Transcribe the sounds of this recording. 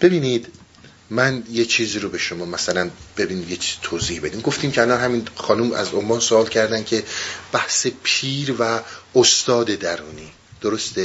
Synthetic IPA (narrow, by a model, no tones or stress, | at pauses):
b̥e̞biːnid̪ | mænjet͡ʃʰiːziːɾobe̞ʃomɒːmæsælænb̥e̞binimjet͡ʃʰiz̥it̪ʰoːziːhbe̞d̪iːmɡo̞ft̪iːmcʰeælɒnɦæmiːnxɒːnumæ̰zomɒːnsoɒːlcʰæɾd̪æncʰe̞b̥æhse̞pʰiːɾvæost̪ɒːd̪e̞d̪æɾuːniː | d̪̥oɾost̪e